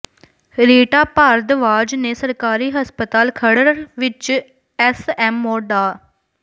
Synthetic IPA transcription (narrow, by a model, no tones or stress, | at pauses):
ɾeːʈaːpaːɾd̪ʋaːd͡ʒneːsəɾkaːɾiːɦəspət̪aːlkʰəɽəɾʋɪt͡ʃ | ɛːsɛːmːoːɖaː